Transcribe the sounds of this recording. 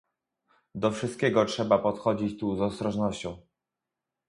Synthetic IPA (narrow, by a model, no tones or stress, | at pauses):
d̪ɔfʂɘst̪̚kʲɛɡɔtʂɛbapɔt̪xɔd͡ʑit͡ɕt̪uzɔst̪ɾɔʐnɔɕt͡ɕɔ̃w̃